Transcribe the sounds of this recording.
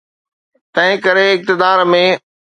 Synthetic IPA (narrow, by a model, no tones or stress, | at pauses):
t̪ɐ̃ɦɪ̃kɐɾeɪk̚t̪ɪd̪aːɾmẽ